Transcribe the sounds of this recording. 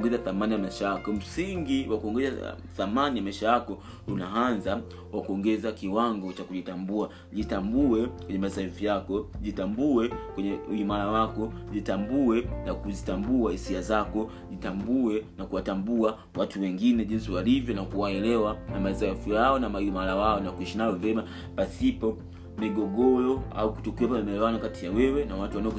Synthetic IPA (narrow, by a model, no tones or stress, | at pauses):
ŋɡɛzaθamanijamaiʃajakɔm̩siŋɡiwakuɔŋɡɛza | θamanijamaiʃajakɔ | lunaanza | wakuɔŋɡɛzakiwaŋɡɔt͡ʃakuʄitambua | ʄitambuɛkwɛɲɛmasaifijakɔʄitambuɛkwɛɲɛuimaɾawakɔʄitambuɛnakuzitambuahisiazakɔ | ʄitambuɛnakuwatambua | watuwɛŋɡinɛʄinsiwalivjɔnakuwaɛlɛwanamasaifijaɔnamaimalawaɔnakuiʃinajɔvɛma | pasipɔ | miɡɔɡɔlɔa̰uku̥tɔkiwapaamaɛlɛwanɔkatijawɛwɛnawatuwanaɔ